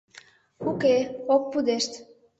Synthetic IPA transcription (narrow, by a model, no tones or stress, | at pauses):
ukeokːud̪eʃt̪